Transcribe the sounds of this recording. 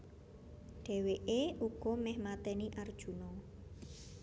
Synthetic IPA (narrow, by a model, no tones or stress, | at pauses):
ɖ̥ɛ̤weʔeuɡ̥ɔ̤mɛhmat̪ɛniʔard̥ʒ̥ṳnɔ